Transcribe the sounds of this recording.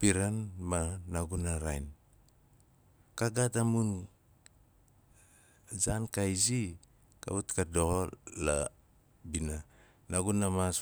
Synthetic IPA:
piɾanmanaɡunaɾajn | kaɡatamun | zankajzi | ka̰utkadoola̰ | bina | naɡunamas

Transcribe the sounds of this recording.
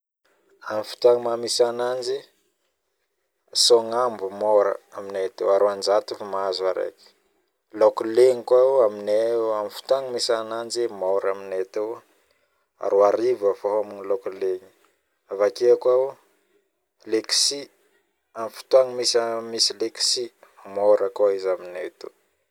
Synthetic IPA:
amifu̥t̪aŋmamisanand͡ʒi | soŋambumoɾə̰aminet̪ewaɾoand͡ʒat̪ufamazuaɾḛki̥ | lokuleŋikwauamineamifi̥t̪uaŋimisanand͡ʒimaɾaminet̪ew | a̰ɾoaɾivəfaɦamunilokuleɲi̥ | avakekwau | leksi | amifi̥t̪uaŋimisamisileksi | moɾəkaizaminet̪u

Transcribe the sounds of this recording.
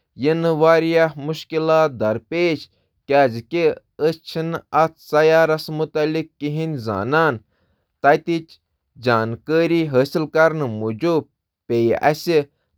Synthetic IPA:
jinʋaːɾjamuʃkilaːt̪̚d̪ɐɾpeːd͡ʒ | kʲaːzki | ət͡ʃʰinɐt͡sʰsɐjaːɾɐsmut̪ɐlikːiɦinza̰ːnaːn | t̪ɐt̪it͡ʃ | d͡ʒaːnkəːɾiːɦəːsilkɐɾnmud͡ʒub̚ | peːjɐ̰si

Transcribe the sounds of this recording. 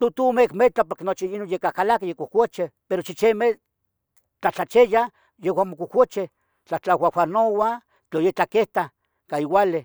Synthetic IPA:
t̪ut̪umekmet͡ɬapoɾkenot͡ʃiinonjekakalakejekukʷat͡ʃepeɾot͡ʃit͡ʃeme | t͡ɬat͡ɬat͡ʃeja | jewʷamokukʷot͡ʃe | t͡ɬat͡ɬawʷawʷanowa | t͡ɬojet͡ɬakeht̪a | kaiwale

